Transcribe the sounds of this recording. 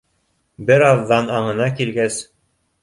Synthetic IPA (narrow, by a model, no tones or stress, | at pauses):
bɘɾɑðːɑnɑɴɤ̆nɑkilɡæs